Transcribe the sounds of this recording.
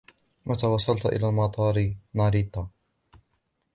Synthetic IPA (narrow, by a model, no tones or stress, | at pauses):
mʔat̪awɑsˤːɑlt̪ʔɪ̰laːlmɑt̪ˤɑːɾɪnɑɾiːt̪ˤɑ